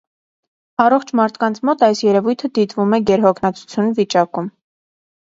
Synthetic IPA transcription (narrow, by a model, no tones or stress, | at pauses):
ɑrɔχt͡ʃʰmɑɾt̪ʰkɑnt͡sʰmɔt̪ɑjsjɛɾɛvujt̪ʰəd̪it̪vumɛɡɛɾɦɔkʰnɑt͡sʰu̥t͡sʰjunvit͡ʃɑkum